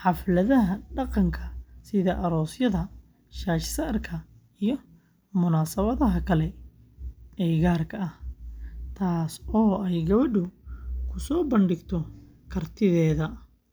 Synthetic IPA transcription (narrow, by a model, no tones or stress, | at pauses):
ħɑflɐðɐɦɐɖɑqɑŋkʰɐsɪðɐʔɐɾɔːsjɐðɐ | ʃaːʃsaːrkʰɐ | ijɞ | mʊnaːsɐβɐðɐɦɐkʰɐlɛ | ɛːɣaːrkʰɐɐh | t̪ʰaːsɔːɛjɡɐβɐɖʊkʰʊsɔːbɐnɖɪɡt̪ʰɔ | kʰɐrt̪ʰɪðɛːðɐ